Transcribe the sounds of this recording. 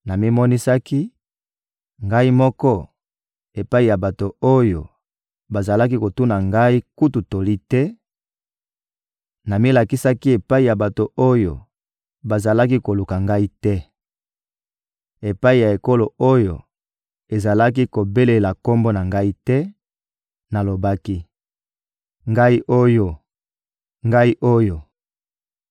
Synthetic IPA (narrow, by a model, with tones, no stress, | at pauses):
na˨mi˦mɔ˦ni˦sa˦ki˦ | ŋɡa˦i˦mɔ˦kɔ˦ | e˨pa˦i˦˨ja˨ba˨to˨o˦jo˨ | ba˨za˨la˦ki˦ko˨tu˦na˨ŋɡa˦i˦ku˦tu˨to˨li˦tɛ˦ | na˨mi˦la˨ki˦sa˦ki˦e˨pa˦i˨ja˨ba˨to˨o˦jo̰˨ | ba˨za˨la˦ki˦ko˨lu˨ka˨ŋɡa˦i˦tɛ˦ | e˨pa˦i˨ja˨e˨ko˦lo˨o˦jo̰˨ | e˨za˨la˦k̬i˦ko˨be˦le˨la˨ko˦mbo˦na˨ŋɡa˦i˦tɛ˦ | na˨lo˨ba˦ki˦ | ŋɡa˦i˦ʔo˦jo˦ | ŋɡa˦i˦ʔo˦jo˨